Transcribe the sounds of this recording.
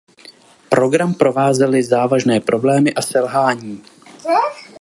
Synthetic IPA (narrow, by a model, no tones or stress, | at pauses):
pɾo̞ɡɾampɾo̞vaːzɛlɪzaːvaʒnɛːpɾo̞blɛːmɪʔasɛlɦaːɲiː